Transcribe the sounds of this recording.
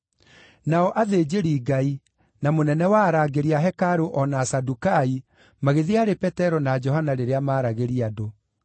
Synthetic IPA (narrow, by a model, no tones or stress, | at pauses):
naɔʔaðed͡ʑeɾiɡai | namonɛnɛwaɾaɡeɾiaɦɛkaɾoʔɔnasadukai | maɣeðiaɾepɛtɛɾɔnad͡ʒɔɦanaɾeɾeamaːɾaɣeɾiado